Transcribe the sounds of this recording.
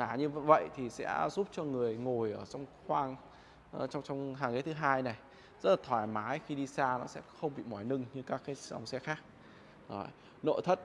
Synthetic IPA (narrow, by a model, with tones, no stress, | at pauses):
aː˨˩ɲɨ˧və̰˧˨jt̪ʰi˨˩sɛ̰˧˥zu˦˥p̚t͡ɕɔ˧ŋɨ˨˩əjŋo˨˩jʔəː˧˩t͡ɕɔ˧wŋ͡mxwaː˧ŋ | ʔt͡ɕɔ˧wŋ͡mt͡ɕɔ˧wŋ͡mɦaː˨˩ŋe˨˦t̪ʰɨ˨˦ɦaː˧jna˨˩j | zə˦˥t̚laː˨˩t̪ʰwaː˧˨˩jmaː˨˦jxi˧ɗi˧saː˧nɔ˨˦sɛ̰˧˥xə˧wŋ͡mɓḭ˧˨mɔ˨˩jnɨ˧ŋɲɨ˧kaː˦˥kːaː˨˦jʔa̰˧wŋ͡msɛ˧˦xaː˦˥k̚ | ɗɔ˨˦j | no̰˧˨jt̪ʰə˦˥t̚